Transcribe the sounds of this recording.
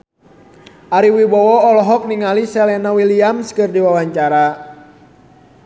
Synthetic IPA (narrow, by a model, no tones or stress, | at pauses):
ʔaɾiwibɔwɔɔlɔɦɔk̚niŋalisɛlɛnawiliamskɨrdiwawaɲt͡ʃaɾa